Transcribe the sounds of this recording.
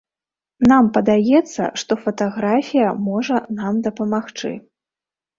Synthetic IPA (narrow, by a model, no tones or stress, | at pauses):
nampɐd̪ajɛt̪sːɐ̰ʂt̪ɔfɐt̪aɣɾafʲijɐmɔʐɐnamd̪ɐpɐmaxt͡ʂɨ̰